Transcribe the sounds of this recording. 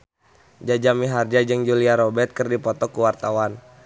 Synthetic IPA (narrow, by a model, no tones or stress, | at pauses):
d͡ʒad͡ʒamiɦard͡ʒad͡ʒɨŋd͡ʒuliaɾɔbɛrt̪̚kɨrdipɔt̪ɔkuwart̪awan